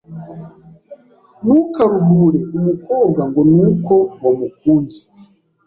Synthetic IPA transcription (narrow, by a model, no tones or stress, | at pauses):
nukaɾubuɾeumukoːbɡaŋɡo̞nuːko̞ŋomukuːnzi̥